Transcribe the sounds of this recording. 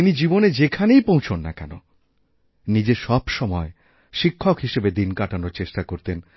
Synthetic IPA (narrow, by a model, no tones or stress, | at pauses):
inid͡ʑiboned͡ʑekʰanejpõwt͡ɕʰonːakɛ̰no̰ | nid͡ʑeʃɔbʃɔmɔe | ʃikʰːokɦiʃebed̪inkaʈanoɾt͡ɕeʃʈakoɾt̪en